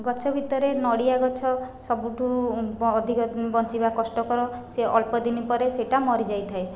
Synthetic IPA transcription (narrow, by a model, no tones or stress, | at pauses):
ɡɔt͡ʃʰɔbʱit̪ɔɾenɔɽijaɡɔt͡ʃʰɔsɔbuʈuɔd̪ʱikɔbɔnt͡ʃibakɔsʈɔkɔɾɔseʔɔlpɔd̪inipɔɾeseʈamɔɾid͡ʒajt̪ʰae